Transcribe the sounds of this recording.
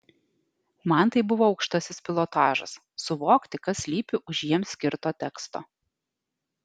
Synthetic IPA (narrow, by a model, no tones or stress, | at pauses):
mɐnt̪ɐɪbʊʋoːɒʊkʃʲt̪ɐsʲɪspʲɪlˠoːt̪ɑːʒɐ̰sːʊʋoːkt̪ʲɪkɐsʲlʲiːpʲɪʔʊʒjiɛmsʲkʲɪɾt̪oːt̪ʲɛkst̪o̰ː